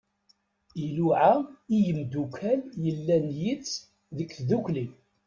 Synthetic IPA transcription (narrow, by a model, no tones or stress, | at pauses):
iluʕaijəmd̪ukʰæljəlːænjit͡sː | ðəkθðukli